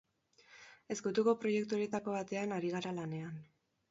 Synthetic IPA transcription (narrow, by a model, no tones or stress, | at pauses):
e̞sɡut̪uko̞pɾo̞je̞kt̪uoɾje̞t̪ako̞βat̪e̞anaɾiɣ̞aɾalane̞an